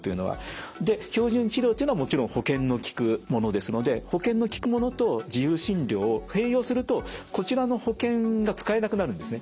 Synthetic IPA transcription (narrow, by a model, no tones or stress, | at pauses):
t̪o̞jɯ̟no̞̰βa̰d̪e̞ço̞ːʑɨ̃nt͡ɕiɾʲoːt̪eiɯnoβamo̞t͡ɕiɾõ̞ho̞kẽ̞nːo̞kʲi̥kɯ̟mo̞no̞d̪e̞sɨno̞d̪e̞ho̞kẽ̞nːo̞kʲi̥kɯ̟mo̞no̞t̪o̞d͡ʑijɯːɕĩɲɾʲo̞ːohe̞ːjo̞ːsɨɾɯ̟t̪o̞ko̞t͡ɕiɾano̞ho̞kẽ̞ŋɡat͡sɨ̥kae̞nakɯ̟naɾɯ̟̃nd̪e̞sɨne̞